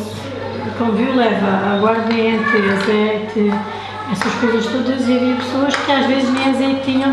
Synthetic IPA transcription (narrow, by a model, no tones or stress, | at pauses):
kõmviwlˠɛvɐaɣwaɾðɐẽnt̪ɾɨɐt̪ɛk̪ɨ | ɛsɐʃkojzɐʃt̪od̪ɐziɐviɐpɨ̥soɐʃkɨaʒvezʒmẽnzɐit̪iɲɐ̃